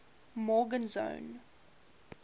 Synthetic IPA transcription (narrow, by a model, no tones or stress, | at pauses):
mɔɡə̃nzõ̰ʊn